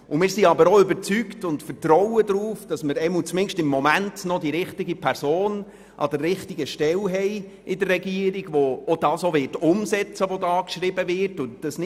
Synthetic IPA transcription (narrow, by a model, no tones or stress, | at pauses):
ʊmɪːrsiɑbəɾoʏbəɾt͡syktʊntfətɾɔwədɾuːfd̥ɑsməɾɛmət͡smɪnʃtɪmːɔmæntnɔdiɾɪχtɪɡipʰɛɾsoːn | ʔɑ̰dərːɪχtɪɡəʃtɛlɦɛɪ | ʔɪdərːɛɡiːəɾiɡ̥ʋoːd̥ɑːsoʋɪtʊmsɛt͡səʋodɑːkʃɾɪbəvɪrtʊnd̥ɑsnɪ